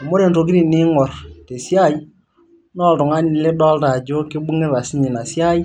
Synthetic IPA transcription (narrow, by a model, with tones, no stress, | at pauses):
a˨mo˦ɾe˨nto˨ɡ̬i˦ɾi˨nɪ˦ŋɔ˨rte˨sja˦˨j | nɔ˦˨ltʊ˨ŋa˦nɪ˨le˦dɔ˦lta˨d͡ʒo˦kɪ˦bu˦ŋɪ˦ɾa˨si˦ɲi˨na˨sja˦j